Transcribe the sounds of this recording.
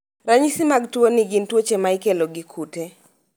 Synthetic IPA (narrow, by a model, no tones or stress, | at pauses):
ɾaɲisɪmaɡtwoniɡintwot͡ʃemaikeloɡikʰute